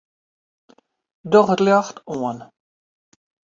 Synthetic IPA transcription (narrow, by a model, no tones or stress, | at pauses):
dɔχətljaxtuən